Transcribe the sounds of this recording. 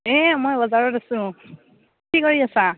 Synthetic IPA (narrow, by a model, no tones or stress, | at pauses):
ɛmojbɔzaɹɔtasʊ̃ | kikoɹiasa